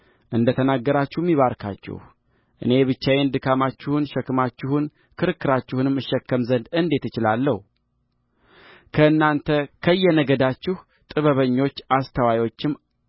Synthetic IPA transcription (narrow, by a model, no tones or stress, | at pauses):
ʔɨnd̪ət̪ʰənaɡːəɾat͡ʃːuhmːiβaɾkʰa̰t͡ʃːɪ̰h | ʔɨ̰ne̞βɨt͡ʃːajend̪ɨkʰamat͡ʃːɪhunʃɛkːɨmat͡ʃːɪhun | kʰɨɾɨkːɨɾat͡ʃːɪhunɨmːɨʃːɛkːəmzənd̪ɨnd̪e̞t̪ːɨt͡ʃɪlalːəhu | kʰəɨnːant̪ʰəkʰəɨjːɛnəɡəd̪at͡ʃːɪh | t̪ʼɨβəβəɲːo̞t͡ʃːast̪ʰəwajwo̞t͡ʃːɪm